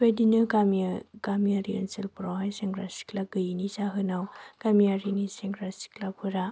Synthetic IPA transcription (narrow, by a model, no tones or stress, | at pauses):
bedinɯɡamiɡ̥amiaɾiɯnsɯlpuɾawɦajseŋɡɾasi̥klaɡɯjinisaɦɯnawɡ̥amiaɾiniseŋɡɾasi̥klapʰɯɾa